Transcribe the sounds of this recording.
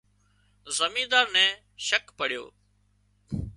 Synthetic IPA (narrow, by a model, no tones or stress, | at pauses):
zəmĩːd̪aːɾnɛ̃ː | ʃəkpəɽ̤jo̰ː